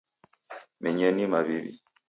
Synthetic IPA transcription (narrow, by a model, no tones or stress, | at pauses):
mɛɲɛnimaβiβḭ